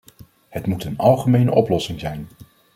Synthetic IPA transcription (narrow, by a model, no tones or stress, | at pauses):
hətmutənɑlˠχəmejnə̰ʔɔplɔsɪŋzɛjn